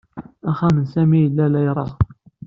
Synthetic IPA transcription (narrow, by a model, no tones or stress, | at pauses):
æχæmənsæmijəlːælæjɾˤɑ